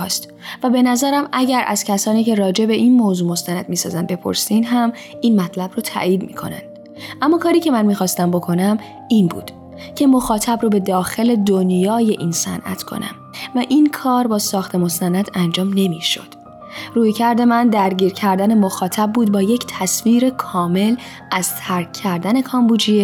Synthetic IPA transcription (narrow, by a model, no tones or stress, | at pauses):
st̪ | væbe̞næzæɾæmʔæɟæɾʔæ̰z̥cʰæsɒːniːce̞rɒːd͡ʒe̞be̞ʔinmoːzuːmo̞st̪ænæd̪miːsɒ̰ːzænd̪be̞pʰo̞̰ɾsinɦæm | inmæt̪ʰlæbroːt̪ʰæ̰ʔjiːd̪miːkʰo̞̰næ̰nd̪̥ | ʔæmːɒːkʰɒːɾiːcʰe̞mænmiːxɒːst̪æmbo̞kʰo̞næm | iːnbṵːd̪̥ | cʰe̞mo̞xɒːt̪ʰæbɾoːbe̞d̪ɒːxe̞le̞d̪onjɒːje̞ʔinsæ̰nʔæ̰t̪ʰkʰo̞̰næ̰m | væʔinkʰɒːɾbɒːsɒːxt̪ʰe̞mo̞st̪ænæd̪ʰænd͡ʒɒːmne̞miːʃo̞̰d̪̥ | ruːjcʰæɾd̪e̞mænd̪æɾɟiːɾcʰæɾd̪æne̞mo̞xɒːt̪ʰæb̚bːuːd̪bɒːje̞cʰt̪ʰæsmiːɾe̞kʰɒːme̞l | æz̥t̪ʰæɾkʰːæɾd̪æne̞kʰɒːmbuːd͡ʒiː